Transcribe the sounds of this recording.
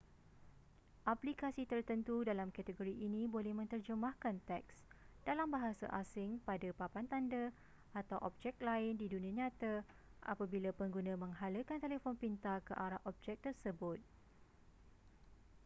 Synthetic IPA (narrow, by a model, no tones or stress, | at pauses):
ʔaplikasit̪ərt̪ənt̪udalamkat̪əɡoɾiʔinĩbolɛhmə̃nt̪ərd͡ʒəmahkant̪ɛksd̥alambaɦasa̰ʔasɪŋpadapapant̪anda | at̪awʔɔ̰p̚d͡ʒɛk̚laɪndidunĩãɲãt̪a | ʔa̰pabilapəŋɡunãmə̃ŋɦaləkant̪elefɔnpint̪akəʔaɾahʔɔp̚d͡ʒɛk̚t̪ərsəbʊt̪̚